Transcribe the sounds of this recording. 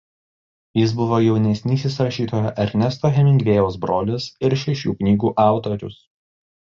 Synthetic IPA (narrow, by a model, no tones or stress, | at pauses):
jɪs̬bʊʋoːjɛʊnʲɛsʲnʲiːsʲɪsɾɐʃʲiːt̪oːjoʔɐɾʲnʲɛst̪oːɦʲɛmʲɪŋʲɡʲʋʲeːjɛʊsbɾoːlʲɪsɪɾʃʲɛʃʲṵːknʲiːɡuːʔɑˑʊt̪oɾʲʊ̰s